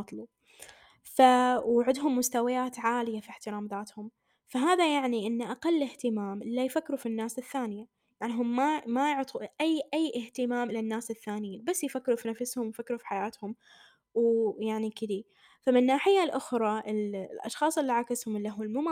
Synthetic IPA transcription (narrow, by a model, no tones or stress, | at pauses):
t̪ˤlu | fawʕɪd̪ɦʊmːʊst̪awajaːt̪ʕaːlɪjafiħt̪ɪɾaːmðaːt̪hʊm | faɦaːðajaʕniʔɪnːʔaqalːɪht̪ɪmaːmʔɪlːajfakːɾufinːaːsɪθːaːnɪja | jaʕnɦʊmːamajʊʕt̪ˤʰuʔajːʔajːʔɪht̪ɪmaːmʔɪlanːaːsɪθːaːnɪjiːnbasːjɪfakːɾufinafshʊmwjfakːɾufi̥ħajaːt̪hʊm | wjaʕnikɪd̪i | famɪnːaːħɪjːalʔʊxɾˤɑʔɪllʔɑ̰ʃxɑːsˤɪlːiʕakɪshʊmɪlːaɦulmʊma